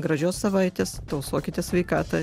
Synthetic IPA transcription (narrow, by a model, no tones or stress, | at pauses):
ɡɾɐʒʲoːssɐʋɐɪt̪ʲeːst̪oʊsoːkʲɪt̪ʲesʲʋʲɛɪkɑːt̪ɐ